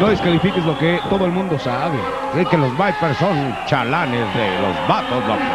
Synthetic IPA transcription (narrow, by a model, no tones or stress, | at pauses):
noðeskalifikezloket̪oðoelmũnd̪o̞saβe | sekelozβajpeɾson | t͡ʃalanezðḛlo̰zβat̪oslo